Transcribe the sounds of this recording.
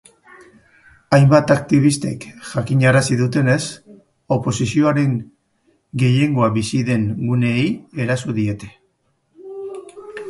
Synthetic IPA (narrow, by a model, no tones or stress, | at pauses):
ajmbat̪ak̚t̪iβ̞ist̪e̞kʝakiɲaɾasiðut̪e̞ne̞s | o̞po̞sisio̞aɾe̞ŋ | ɡe̞je̞ŋɡo̞aβisiðe̞ŋɡune̞je̞ɾasuðie̞t̪e̞̥